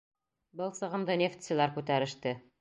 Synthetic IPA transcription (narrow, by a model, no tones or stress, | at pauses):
bɤlˠsɤ̆ʁɤ̆md̪ɤnʲeft̪ʲsɘ̆lˠæɾkʉt̪æɾɘ̆ʃt̪ɘ